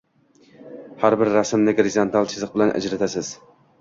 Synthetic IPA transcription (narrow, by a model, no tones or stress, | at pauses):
haɾbɪɾːasɪmnɪɡɾɪzont̪ʰalˠt͡ʃʰɪzɨq̚bɪlanʔa̰d͡ʒɾat̪ʰasɪz̥